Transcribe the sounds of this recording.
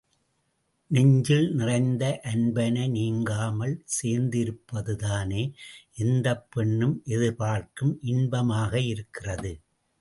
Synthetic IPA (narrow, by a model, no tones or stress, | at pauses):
nɛɲd͡ʒɪlnɪrɐɪnd̪ɐʔɐnbɐnɐniːŋɡaːmɐɭseːɾnd̪ɪɾɯpːɐðɯðaːneːʔɛnd̪ɐpːɛɳːɯmʔɛðɯɾpaːrkɯmʔɪnbɐmaːɣɐɪɾɯkːɪrɐðɯ